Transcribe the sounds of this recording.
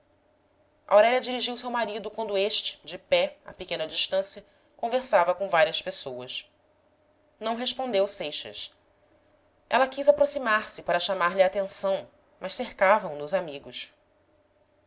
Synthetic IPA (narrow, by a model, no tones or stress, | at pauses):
ʔa̰wɾɛʎɐd͡ʒiɾiʒiwsewmaɾid̪ʊkwɐ̃nd̪ʊeʃt͡ʃɪ̥d͡ʒɪpɛa̰pikẽnɐd͡ʒiʃt̪ɐ̃sjɐ | kõveɾsavɐkõvaɾiɐspesowɐs | nɐ̃w̃ɦeʃpõnd̪ewsejʃɐ̰s | ɛ̰lɐkizapɾosimaɾsɪpaɾɐʃamaɾlɪaːt̪ẽsɐ̃w̃ | mɐʃseɾkavɐ̃w̃nʊzamiɡʊʃ